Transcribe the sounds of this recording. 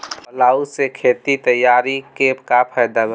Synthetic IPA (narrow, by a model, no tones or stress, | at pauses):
laːusekʰeːt̪it̪əjːaːɾikekapʰajd̪ab